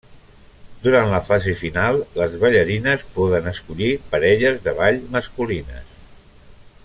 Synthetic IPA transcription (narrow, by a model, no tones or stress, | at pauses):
d̪uɾant̪ləfazefinalˠləzβəʎəɾinəspɔðənəskuʎipəɾɛʎəzðəβaʎməskulinə̰s